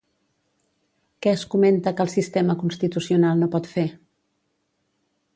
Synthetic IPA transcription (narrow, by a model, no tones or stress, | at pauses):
kɛəskument̪əkəːlˠsist̪ɛməkunst̪it̪usiunalˠnopɔt̪fe